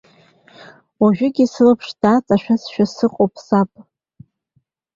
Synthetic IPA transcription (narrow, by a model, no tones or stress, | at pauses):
waʒᶣʏɡʲisɨlɨpʰʂd̥aːt͡sʼaʃᶣasʃᶣasɨqʼopʰʼsapʼ